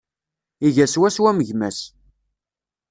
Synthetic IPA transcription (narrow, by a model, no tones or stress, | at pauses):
iʝæswæswæməʝmæs